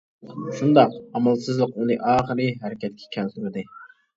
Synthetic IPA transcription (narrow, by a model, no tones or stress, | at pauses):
ʃund̪ɑqɑmɑlˠsɨzlˠəqunɨʔɑːχəɾɨɦæɾɪkʲʰɛt̪̚kʲʰɛ̥kʲʰɛnsyɾɪd̪ɪ